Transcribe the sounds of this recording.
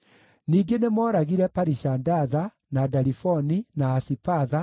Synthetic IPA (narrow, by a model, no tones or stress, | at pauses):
niːŋɡenemɔɾaɣiɾɛpaɾisandaða | nadaɾifɔninaːsipaða